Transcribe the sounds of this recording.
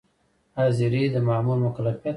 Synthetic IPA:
aziɾid̪əmaːmulmʊkalafijat̪

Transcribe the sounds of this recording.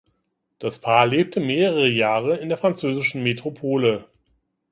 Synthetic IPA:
d̥aspʰaːɐleːp̚tʰəmeːʁəʁəjaːʁəɪndeːɐfʁ̥ant͡søːzɪʃn̩metʁ̥opʰoːlə

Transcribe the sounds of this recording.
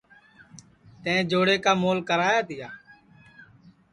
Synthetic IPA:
t̪ẽːd͡ʒoːɽeːkaːmoːlkəɾaːjaːt̪ɪjaː

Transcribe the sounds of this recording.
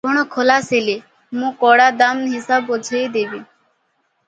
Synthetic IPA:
kɔɽ̃ɔkʰɔlaseli | mũkɔɽad̪amɦisabɔd͡ʒʱejd̪ebi

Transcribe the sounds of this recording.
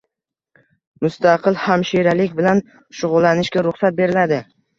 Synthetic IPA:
mʊst̪ʰaqʰɨlhamʃiɾalɪkʲbɪlan | ʃʊʁʊlˠːanɪʃɡʲaɾʊχsat̪̚be̞ɾɪlad̪ɪ

